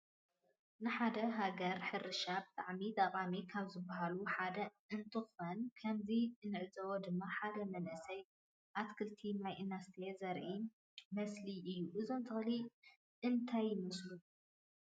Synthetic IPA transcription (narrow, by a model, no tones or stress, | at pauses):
nɨħad̪ɐɦaɡɐɾħɨɾɨʃabɨt̪ʼaʕmit̪ʼaqʼamikʰaβzɨbːɐɦaluħad̪ɐʔɨnt̪ʰɨxonkʰɐmzinɨʕɨzɐwod̪ɨmːaħad̪ɐmɐnʔɨsɐj | ʔat̪kʰɨlt̪ʰinajʔɨnast̪ʰezɐɾʔi | mɐsliʔɨjːuʔɨzo̞nt̪ʰɨxɨli | ʔɨnt̪ʰajːmɐslu